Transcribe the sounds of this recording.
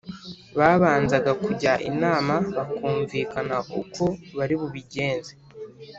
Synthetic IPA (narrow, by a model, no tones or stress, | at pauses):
βaːβaːnzaɡakuɟaʔḭnaːmaβakuːɱviːkanaʔṵkʰo̞βaɾiβuβiɟe̞ːnze